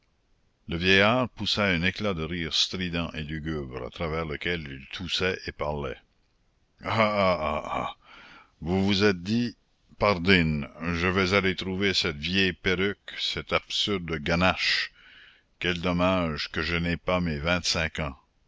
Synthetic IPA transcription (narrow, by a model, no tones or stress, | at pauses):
ləvjɛjaːʁpusaɛ̃neklad̪əʁiːʁst̪ʁid̪ɑ̃ʔelyɡʲybɾa̰t̪ʁavɛːʁləkɛlilt̪ʰusɛʔepaʁlɛ̰ | aaa̰ | vuvuzɛt̪̚d̪i | paʁd̪inʒəvɛzalet̪ɾuvesɛt̪vjɛjpeʁyksɛt̪absyʁd̪əɡanaʃ | kɛld̪ɔmaʒkəʒənɛpamɛvɛ̃t̪sɛ̃kɑ̃